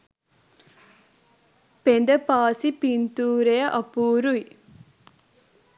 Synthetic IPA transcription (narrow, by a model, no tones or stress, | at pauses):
pend̪ɐpaːsipint̪uːɾejɐʔɐpuːɾuj